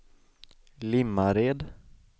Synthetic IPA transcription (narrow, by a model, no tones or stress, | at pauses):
lɪmːaɾeːd̪